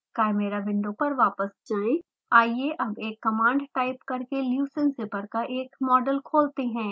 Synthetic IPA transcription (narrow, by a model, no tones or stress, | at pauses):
kɛːɾmeɾabɪ̃ɳɖopɐɾʋaːpəsd͡ʒaːẽ | aːieʔɐbeːkːɐmãːɳɖʈaːɪpkɐɾkeljuːsənsepɐɾkaʔeːkmɔːɖəlkʰoːlt̪eɦɛ̃ː